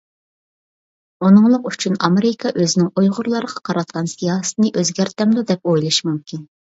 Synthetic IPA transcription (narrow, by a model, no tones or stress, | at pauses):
unɨŋlˠəqyt͡ʃʰynɑmeɾɪkʰɑʔøzɪnɪŋojʁʊɾlˠɑɾəʁɑqʰɑɾɑt̪̚qɑnsijɑːst̪ɨnɨʔøzɡʲæɾt̪ɛmd̪ud̪ɛpojlˠɨʃmumkʲʰin